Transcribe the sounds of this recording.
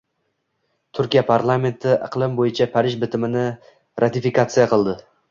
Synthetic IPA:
t̪ʰʊɾkʲijapʰaɾlˠame̞nt̪ʰɪʔɨ̰qlˠɪmbojɪt͡ʃʰapʰaɾɪʒbɪt̪ʰɪmɪnɪ | ɾʔat̪ɪfikat̪sɨjaqʰɨlˠd̪ɪ

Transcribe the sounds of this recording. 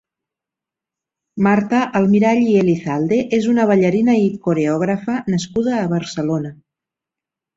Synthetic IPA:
maɾt̪əʔəlˠmiɾaʎieliθalˠd̪eʔezunəβ̞əʎəɾinəikoɾeɔɣ̞ɾəfənəskuð̞əːβəɾsəlonə

